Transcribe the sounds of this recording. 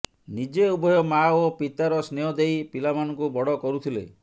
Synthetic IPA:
nid͡ʒeubɔjɔmaopit̪aɾɔsneɔd̪ejpilamanɔŋkubɔɽɔkɔɾut̪ʰilḛ

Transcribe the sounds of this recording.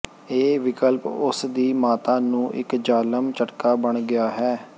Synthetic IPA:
eːʋɪkəlpʊsd̪iːmaːt̪aːnũːʔɪ̰kd͡ʒaːləmt͡ʃəʈkaːbəɳɡɪaːɦɛː

